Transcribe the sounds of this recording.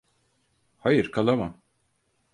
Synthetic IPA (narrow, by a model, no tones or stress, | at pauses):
hajɯɾkʰalˠamam